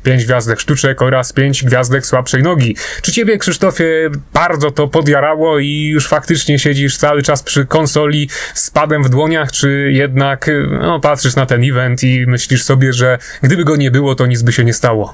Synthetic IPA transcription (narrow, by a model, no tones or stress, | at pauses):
pʲjeɲd͡ʑɡvʲjazd̪ɛkʂt̪ut͡ʂɛkɔɾaspʲjeɲd͡ʑɡvʲjazd̪ɛkswapʂɛjnɔɡʲit͡ʂɘt͡ɕebʲjɛkʂɘʂt̪ɔfʲjɛb̥aɾd̪zɔt̪ɔpɔd̪ʲjaɾawɔijuʂfakt̪ɘt͡ʂɲɛɕed͡ʑiʂt̪sawɘt͡ʂaspʂɘkɔnsɔlʲispad̪ɛmvd̪wɔɲaxt͡ʂɘjɛd̪naknɔ̰pat̪ʂɨʂnat̪ɛnivɛnt̪imɘɕlʲiʂsɔbʲjɛʐɛ | ɡd̪ɘbɘɡɔɲɛbɘwɔt̪ɔɲid̪zbɘɕɛɲɛst̪awɔ